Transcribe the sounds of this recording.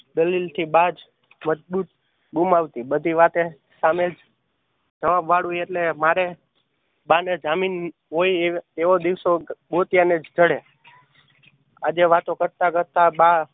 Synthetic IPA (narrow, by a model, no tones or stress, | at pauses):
d̪əlilt̪ʰibad͡ʒ | məd͡ʒbut̪ | ɡumaʋt̪ibəd̪ʱiʋat̪e | samed͡ʒ | d͡ʒəʋabʋaɭujeʈlemaɾe | baned͡ʒamin | ɦoieʋod̪iʋsobot̪janed͡ʒd͡ʒəɽe | ad͡ʒeʋat̪okəɾt̪akəɾt̪aba